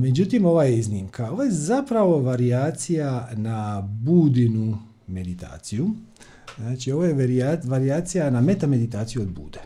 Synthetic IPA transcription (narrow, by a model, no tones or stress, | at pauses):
me̞d͡ʒut̪imo̞ʋajeiznimkʰao̞ʋojezapɾaʋo̞ʋaɾiaːt̪sijanabuːd̪inu | me̞d̪it̪a̰ːt̪siju | znaːt͡ʃio̞ʋojeɾiaʋaɾiaːt̪sijaname̞t̪ame̞d̪it̪aːt̪sijuo̞d̪̚bṵːd̪e